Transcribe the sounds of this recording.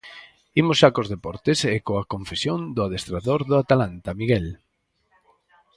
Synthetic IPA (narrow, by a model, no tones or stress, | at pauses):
imʊsʃakozðepɔɾt̪ɪsekoakõɱfesjond̪ʊaðest̪ɾaðoɾðʊat̪alant̪amiɣɛl